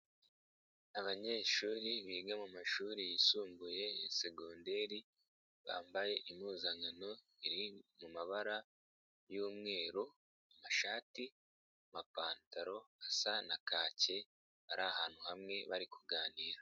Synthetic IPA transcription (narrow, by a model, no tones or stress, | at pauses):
aβaɲe̞ːʃuːɾiβiːɡamumaʃuːɾijisuːmbuje̞jese̞ɡonde̞ɾi | βa̰ːmbaje̞ʔimuːzaŋano̞ | iɾimumaβaɾa | juːmŋe̞ːɾo | amaʃaːti | amapaːntaɾo̞asanakaːce̞ | βaɾʔahaːn̥huhamŋe̞βaɾikʰuɡaːniːɾa